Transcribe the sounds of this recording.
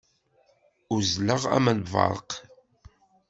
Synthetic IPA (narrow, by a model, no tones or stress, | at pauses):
ʊzləʁæ̰mænvɑ̰ɾˤə̰q